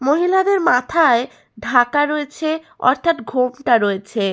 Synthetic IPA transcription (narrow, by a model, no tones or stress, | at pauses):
moɦilad̪eɾmat̪ʰae | ɖʱakaɾoet͡ɕʰe | ɔ̰ɾt̪ʰat̪ɡʱomʈaɾoet͡ɕʰe